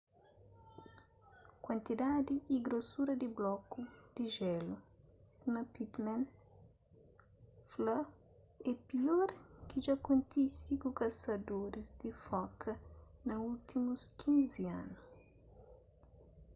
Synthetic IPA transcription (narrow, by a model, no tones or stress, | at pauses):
kwɐ̃nt̪id̪ad̪iːɡɾosuɾɐd̪iblɔkud̪̥iʒɛlu | smɐpit̪mãn | fla | ɛpiɔɾkiʒakõnt̪isikukɐsɐd̪oɾizd̪ifɔkʰɐnɐult̪imuskʰĩnziã̰nu